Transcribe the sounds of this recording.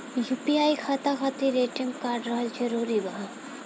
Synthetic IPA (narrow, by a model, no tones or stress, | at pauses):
jupiaːjkʰɐt̪akʰat̪iɾeːʈiŋɡkaːɾɖɾɐɦɐld͡ʒɐɾuːɾibɐɦɐ